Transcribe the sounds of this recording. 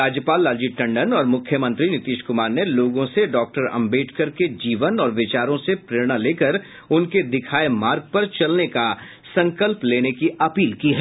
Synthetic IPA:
ɾaːd͡ʒjəpaːlːaːd͡ʒiʈɐ̃ɳɖənɔːɾmʊkʰjəmə̃nt̪ɾinɪt̪iːʃkʊmaːɾneloːɡõseɖɔːk̚ʈəɾɐ̰̃mbeːʈkɐɾked͡ʒiːʋənɔːɾʋɪt͡ʃaːɾõsepɾeːɾɽ̃aleːkəɾ | ʊnked̪ɪkʰaːemaːɾɡ̚pɐɾt͡ʃɐlneka | sɐ̃ŋkəlpleːnekiɐpiːlkiɦɛː

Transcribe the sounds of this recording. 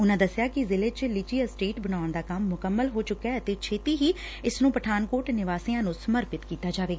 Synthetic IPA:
ʊnãːd̪əsɪjaːkɪzɪleːt͡ʃlɪt͡ʃiːəsʈeːʈbənaːəɳd̪aːkəmːʊkəmːəlɦoːt͡ʃʊkːɛːət̪eːt͡ʃʰeːt̪iːɦiː | ɪsnũːpəʈʰaːnkoːɾʈnɪʋaːsiãːnũːsəməɾpɪt̪kiːt̪aːd͡ʒaːʋeːɡaaː

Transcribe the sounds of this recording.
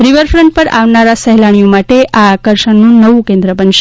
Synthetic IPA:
ɾiʋəɾfɾəɳʈ̚pəɾa̰ʋnaɾasəɦlaɽ̃ijõmaʈeʔaːkəɾʃənnũnəʋũkẽnd̪ɾəpənʃ

